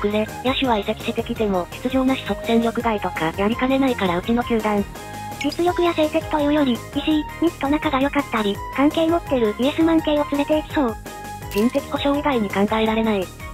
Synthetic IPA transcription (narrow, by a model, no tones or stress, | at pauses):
kɯ̟ɾe̞ | jaɕiβaise̞kʲi̥ɕit̪e̞kʲit̪e̞mo̞ɕi̥t͡sɨʑo̞ːnaɕi̥so̞kɯ̟zẽ̞nɾʲjo̞kɯ̟ɡ̪ait̪o̞kajaɾʲikane̞naikaɾaɯ̟t͡ɕino̞kʲɨːd̪ãɰ | ɾʲit͡sɨjʲo̞kɯ̟jase̞ːse̞t͡sɨ̥t̪o̞jɯ̟ːjo̞ɾʲi | iʑiɲ̟it͡st̪ːo̞nakaɡajo̞kat̪ːaɾʲi | kãŋke̞ːmo̞t̪ːe̞ɾɯ̟iesɨmãŋke̞ːo̞t͡sɨɾe̞t̪e̞ikɯ̥so̞ː | d͡ʑĩnse̞kʲi̥ko̞ɕo̞ːɡiɡ̪aiɲ̟ikãŋɡaeɾaɾe̞nai